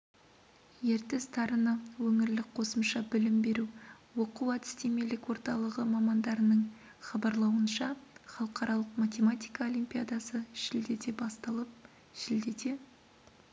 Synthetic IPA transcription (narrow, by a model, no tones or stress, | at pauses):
je̞ɾt̪est̪ʰɑɾənəwɵŋɪɾlɪk̚qʰo̞səmʃɑbɪlɪmbe̞ɾu | wo̞quwæt̪ɪ̥st̪eme̞lɪkwo̞ɾt̪ɑlˠəʁəmɑmɑnd̪ɑɾənəɴ | χɑbɑɾlˠɑwənʃɑχɑlˠəqɑɾɑlˠəqmat̪ʲe̞mat̪ʲijkɑo̞lʲˠimpʲijad̪ɑsəʃɪld̪e̞d̪e̞bɑst̪ɑlˠəp̚ | ʒɪld̪e̞d̪e̞